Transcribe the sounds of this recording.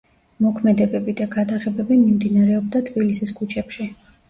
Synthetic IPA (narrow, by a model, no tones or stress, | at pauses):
mɔkʰmɛd̪ɛbɛbid̪aɡad̪aʁɛbɛbimimd̪inaɾɛɔb̚d̪at̪ʰbilisiskʰut͡ʃʰɛpʃi